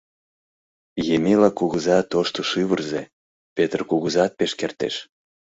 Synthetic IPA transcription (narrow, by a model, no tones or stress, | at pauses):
jemelɑkuɣəzɑt̪oʃt̪oʃɨβərze | pet̪rkuɣuzɑt̪̚peʃkert̪ḛʃ